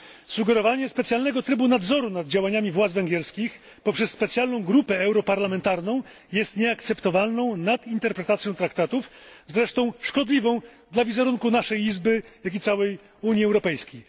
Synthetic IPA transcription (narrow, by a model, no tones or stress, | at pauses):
suɡɛɾɔvaɲɛspɛt̪sjalnɛɡɔt̪ɾɘbunad̪zɔɾunad̪̚d͡ʑawaɲamʲivwad̪zvɛŋɡʲɛɾskʲix | pɔpʂɛsːpɛt̪sʲjalnɔ̃w̃ɡɾupɛɛwɾɔpaɾlamɛnt̪aɾnɔ̃w̃ | jɛst̪ɲɛakt̪sɛpt̪ɔvalnɔ̃w̃nad̪int̪ɛɾpɾɛt̪at̪sʲjɔ̃t̪ɾakt̪at̪ufzɾɛʂt̪ɔ̃w̃ʂkɔd̪lʲivɔ̃w̃d̪lavʲizɛɾuŋkunaʂɛjizbɘjak̬ʲit̪sawɛj | uɲjiɛwɾɔpɛjskʲej